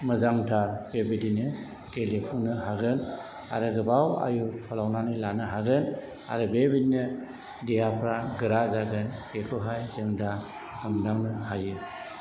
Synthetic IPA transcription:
mɯzaŋtʰaɾbebidinɯ | ɡelepʰuŋnɯɦaɡɯn | a̰ɾɯɡɯbawa̰jupʰalawnanɯlanɯɦaɡɯn | a̰ɾɯbebidinɯ | dijapʰɾaɡɯɾazaɡɯnkekʰɯɦajzɯŋda | hɯmdaŋnɯhajɯ

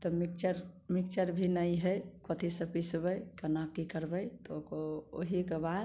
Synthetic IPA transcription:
t̪ɔmik̚t͡ʃəɾmikt͡ʃəɾbʱinəiɦəjkot̪ʰisə̃pisbəjkənakikəɾbəjt̪ɔokooɦikebad̪

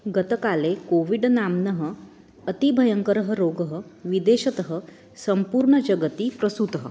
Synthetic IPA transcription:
ɡət̪əkalekoʋiɖnamnəɦəː | t̪ibʱɐjəŋkəɾəɦəɾoɡəɦəʋid̪eɕɐt̪əɦə | səmpuːɾɳəd͡ʒɐɡət̪ipɾəsut̪əɦə

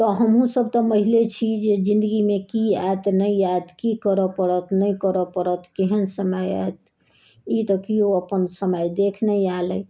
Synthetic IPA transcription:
t̪ɔɦəmɦũsəb̚t̪ɔməɦilet͡ʃʰid͡ʒed͡ʒĩnd̪əɡimekia̰et̪nəiaet̪kikəɾəpəɽət̪nəjkəɾəpəɾət̪keɦənsəməja̰et̪ | it̪ɔkioəpənsəməjd̪ekʰnəaləj

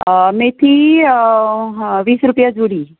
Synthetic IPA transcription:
met̪ʰi | ʋiːsɾupjad͡zuɽiː

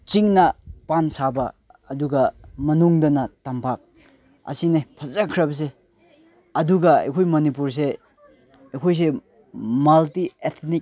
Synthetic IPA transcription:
t͡ʃiŋnɐpansabɐː | duɡɐmɐnuŋdɐnɐtampʰak̚ | ɐ̰sinepʰɐzakʰɾɐbɐs̬e | ɐduɡɐɐ̰jkʰojmonip̬uɾs̬e | ɐjkʰojs̬e | maltiet̪ʰnik̚

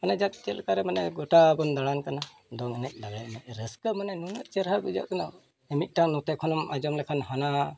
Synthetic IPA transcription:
manɛd͡ʒat̪̚t͡ʃɛlkaɾɛmanɛɡɔʈabɔnd̪aɽankana | d̪ɔŋɛnɛc̚ˀlaɡat̚mɛc̚ɾəskəmanɛnunəʔt͡ʃɛɾɦabud͡ʒa̰ʔt̪ɔna | ɛmit̪̚ˀʈanɔt̪ɛkʰɔnɔmad͡ʒɔmlɛkʰanɦana

